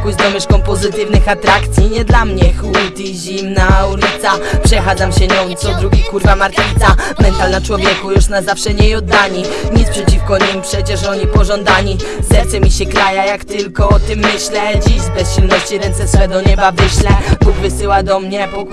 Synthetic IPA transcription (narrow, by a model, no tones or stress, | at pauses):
kujzd̪ɔmɘʂkɔmpɔzɘt̪ɘvnɘxat̪ɾakt̪sʲjiɲɛd̪lamɲɛxwut̪iʑimnaulʲit̪sapʂɛxad̪zamɕɛɲɔmt̪sɔd̪ɾuɡʲikuɾvamaɾt̪ʲit̪samɛnt̪alnat͡ʂwɔvʲjɛkujuʂnazafʂɛɲɛjɔd̪ːaɲiɲispʂɛt͡ɕifkɔɲimpʂɛt͡ɕɛʂɔɲipɔʐɔnd̪aɲizɛɾt̪sɛmʲiɕɛkɾajajakt̪ɘlkɔɔt̪ɪmːɘɕlɛd͡ʑiʑbɛsɕilnɔɕt͡ɕiɾɛnt̪sɛswɛd̪ɔɲɛbavɘɕlɛbuɡvɘsɘwad̪ɔmɲɛb